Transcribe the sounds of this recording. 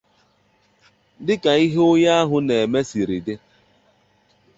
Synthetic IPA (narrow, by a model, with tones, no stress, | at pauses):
dɪ˦ka˨i˦ɦe˦ʊ˦ja˦a˦ɦʊ˦ne˨e˨me˦si˨ɾi˨dɪ˦